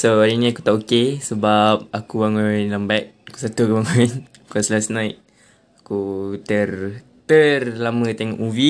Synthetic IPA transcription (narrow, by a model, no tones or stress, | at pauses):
soaɾinĩaku̥t̪aʔokesəbap̚akuwaŋonlambat̪̚aku̥sat̪ukuwaŋoin | kaslasnajt̪̚ | akut̪ər | t̪ərlamə̃t̪eŋɔ̰ʔmuvi